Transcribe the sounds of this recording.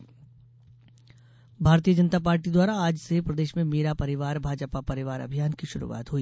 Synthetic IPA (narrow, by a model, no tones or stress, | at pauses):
bʱaːɾt̪ijəd͡ʒənt̪apaːɾʈid̪waːɾaaːd͡ʒsepɾɐd̪eːʃmẽmeːɾapɐɾɪʋaːɾbʱaːd͡ʒpapɐɾɪʋaːɾɐ̰bʱijaːnkiʃʊɾṵʋa̰ːt̪ɦuiː